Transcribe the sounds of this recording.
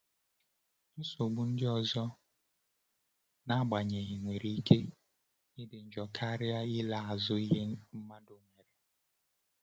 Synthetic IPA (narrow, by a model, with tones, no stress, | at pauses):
n̩˦so˨ɡ͡bu˨n̩˦dɪ˦ɔ˨zɔ˦ | na˦ɡ͡ba˨ɲe˨ɦe˨ŋʷe˨ɾi˨i˦ke˦ | ɪ˦dɪ˨n̩˨d͡ʒɔ˨kʰa˦ɾɪ˦a˦ɪ˦la˨a˨zʊ˦i˦ɦe˦m̩˦ma˦do˨ŋʷe˨ɾe˨